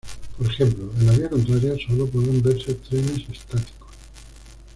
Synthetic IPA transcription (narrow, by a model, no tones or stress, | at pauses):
po̞ɾe̞xe̞mploe̞nlaβiako̞nt̪ɾaɾjaso̞lop̬weðembeɾset̪ɾene̞sest̪at̪i̥kos